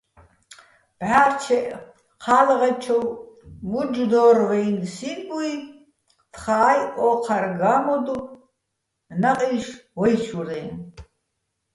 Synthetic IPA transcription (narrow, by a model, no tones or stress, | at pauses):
b̥ʕaːrt͡ʃʰɛʔ | qʰalʁɛt͡ʃʰɔwmud͡ʒd̪ɔːrwɛjnsibʼui | t̪χaːjʔɔqʰaɾɡamɔd̪u | naqʼiʃwɔjʃuɾɛjn